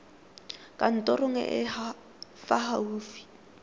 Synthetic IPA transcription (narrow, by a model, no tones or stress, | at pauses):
kʼan̩tʼɔrʊŋɛ̰ʔɪ | faɦauːfi̥